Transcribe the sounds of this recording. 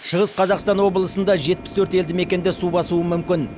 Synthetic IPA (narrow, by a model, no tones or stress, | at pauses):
ʃəʁəsqʰɑzɑqst̪ɑnwo̞bəlˠəsənd̪ɑʒet̪̚pɪst̪ʰɵɾt̪e̞ld̪ɪme̞kʲe̞nd̪ɪsubɑsuəmʏmkʲɪn